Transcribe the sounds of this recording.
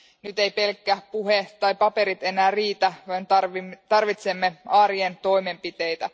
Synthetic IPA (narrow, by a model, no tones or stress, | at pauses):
nyt̪e̞jpe̞lkːæpuɦet̪ɑjpɑpe̞ɾit̪e̞næːriːt̪æʋɑnt̪ɑrʋit̪se̞mːe̞ɑːɾient̪o̞jme̞mpit̪e̞jt̪æ